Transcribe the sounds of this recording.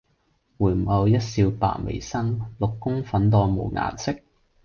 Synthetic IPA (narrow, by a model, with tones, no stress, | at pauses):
wuː˨˩jm̩˨˩ʔɐ˨˧wjɐ˥t̚siː˧wpa̰ː˨nwḛ˨˩jsɐ˥nlʊ˨kːʊ˥ŋfɐ˨˥nt̪ɔː˧mo̰˨wŋa̰ː˨˩nsɪ˥k̚